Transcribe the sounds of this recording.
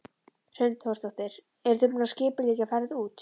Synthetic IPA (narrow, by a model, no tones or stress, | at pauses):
r̥ʏnt̪hɔst̪aht̪ɪɾ̥ | ɛɾ̥θʏpnascɪːpʏliːcɪafaːɾɪðuːt̪